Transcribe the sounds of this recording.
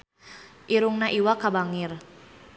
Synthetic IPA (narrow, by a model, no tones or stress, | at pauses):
ʔiɾuŋnaʔiwakabaŋir